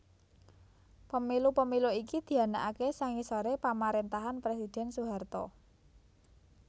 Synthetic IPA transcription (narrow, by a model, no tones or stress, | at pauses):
pəmilupəmiluikid̪̥i̤a̤naʔakesaŋisoɾepamaɾent̪aɦanpɾesid̥ɛ̤nsuɦart̪ɔ̰